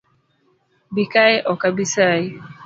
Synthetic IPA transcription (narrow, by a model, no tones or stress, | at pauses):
bikajʔɔkabisaj